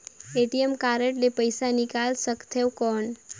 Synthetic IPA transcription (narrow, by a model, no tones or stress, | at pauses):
eʈiemkaɾəʈlepəjsanikalsəkt̪ʰewkɔɳ